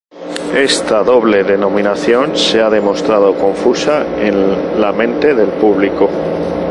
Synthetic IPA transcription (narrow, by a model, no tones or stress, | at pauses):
e̞st̪aðo̞βle̞ðe̞nõ̞mĩnaθjo̞nse̞aðe̞mo̞st̪ɾað̞o̞ko̞ɱfusa | enlamẽ̞nt̪e̞ðe̞lpuβ̞liko